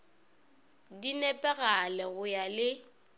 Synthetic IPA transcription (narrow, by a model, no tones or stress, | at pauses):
dinɛpʼɛɣalɛɣʊjalɪ